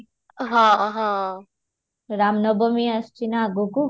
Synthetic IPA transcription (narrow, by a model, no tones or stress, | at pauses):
ɦãɦã | ɾaːmnobomiɐst͡ʃinaɡuku